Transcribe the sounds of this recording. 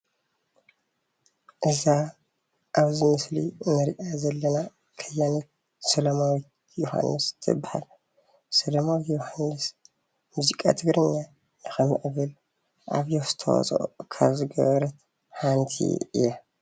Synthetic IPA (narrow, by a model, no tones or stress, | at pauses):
ʔɨza | ʔaβzɨmɨslḭnɨɾiʔazɐlːɐna | kʰɐjanot̪̚ | sɐlɐmawit̪ | joha̰nːɨst̪ʰɨ̰bːaħa̰l | sɐlɐmawit̪johanːɨs | muzikʼa̰t̪ʰɨɡɾɨɲːa | nɨxɐmḭʔɨβɨl | ʔa̰βjoz̥ɨt̪ʰɐ̰wa̰t͡sʼʔo̰kʰa̰βzɨɡɐ̰βɐɾɐt̪ | ħant̪ʰḭɨ̰jːa